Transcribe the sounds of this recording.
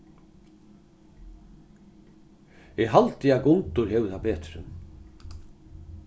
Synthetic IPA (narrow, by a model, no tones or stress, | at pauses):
ɛɣɦalt̪ɪakʊnt̪ʊɾhɛːvɪθapɛːt̪ɾɪ̰n